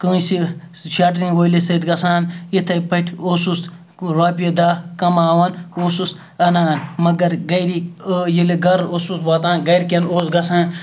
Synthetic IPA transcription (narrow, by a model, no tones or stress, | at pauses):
kə̃ːsi | ʃaːʈɾĩnɡoːilesɐd̪ɡɐsaːnit̪ʰɐpɐʈʲʰosus | ɾaːp̬ijɐd̪aːkɐmaːʋɐnoːsus | ɐnaːnmɐɡɐɾɡɐjɾijileɡɐɾosusʋaːt̪aːnɡɐjɾkʲɐnoːsɡɐsaːn